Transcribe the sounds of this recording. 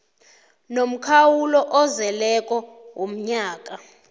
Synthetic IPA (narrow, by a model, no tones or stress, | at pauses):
nom̩kʰawulɔʔɔzɛlɛkʼɔwom̩ɲaːk̬ʼa